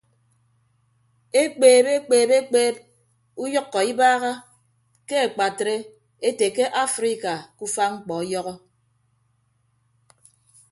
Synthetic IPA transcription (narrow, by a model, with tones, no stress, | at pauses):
e˦k͡peː˨be˦k͡peː˨be˦k͡peː˦p̚ | u˦jɔ˦kːɔ˨i˦baː˦ɣa˦ | ke˦e˨k͡pa˨tɾe˦ | e˦te˨ke˦ʔa˦fɾi˦ka˨ku˦fa˦ŋ͡m̩˦k͡pɔ˨˦jɔ˦ɣɔ˦